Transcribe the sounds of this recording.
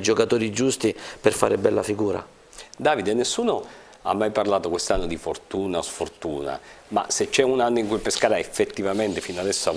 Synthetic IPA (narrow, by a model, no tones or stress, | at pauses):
d͡ʒokat̪oːɾid͡ʒust̪ipɛrfa̰ːɾebɛlːafiɡuːɾa̰ | d̪aːvid̪enesːuːno | a̰mːajparlaːt̪okwest̪anːod̪ifort̪uːnaosfort̪uːna̰ma̰set͡ʃːɛunanːoiŋkujlpeskaːɾaefːet̪ːivament̪efinoad̪ɛsːoa